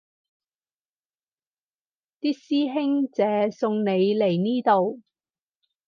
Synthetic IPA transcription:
t̪iː˥k̚siː˥ɦɪ˥ŋt͡sɛː˨˥sʊ˧ŋne˨˧jle˨˩jniː˥t̪o˨w

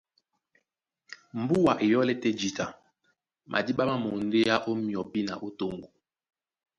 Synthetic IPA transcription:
m̩˨bu˦wa˨ʔe˨jɔ˦lɛ˦tɛ˦d͡ʒi˨ta˨ | mʔa̰˨di˦ɓa˦ma˦mo˨n˦de˦ja˦ʔo˦mjɔ˨bi˦na̰˨ʔo˦to˦ŋɡo˨

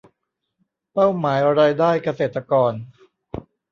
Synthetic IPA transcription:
pa˥˩wmaː˩˦jɾaː˧jdaː˥˩jka˧seː˨˩t̪ɾa˧kɔː˧n

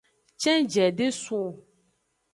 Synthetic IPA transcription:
t͡ʃɛ̃˦d͡ʒɛ˨ɖe˦su˦˨

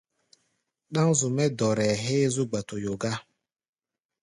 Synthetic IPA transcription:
ɗa˦ŋ̩˦zʊ˨me˦dɔ˨ɾɛ˨ɦɪ˦zʊ˦ɡ͡ba˨tʊ˨jʊ˨ɡa˦

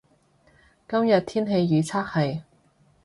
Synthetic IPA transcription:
kɐ˥mjɐ˨t̚t̪ʰiː˥nɦe˧jːiː˨˥t͡sʰaː˥k̚hɐ˨j

